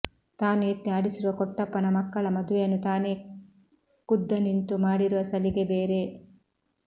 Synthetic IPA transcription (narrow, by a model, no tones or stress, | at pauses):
t̪aːnuet̪ːiaːɽisiɾuʋɐkɔʈːɐpːɐnɐmɐkːɐɭɐmɐd̪uʋejɐnːut̪aːneː | kud̪ːɐnint̪umaːɽiɾuʋɐsɐliɡebeːɾe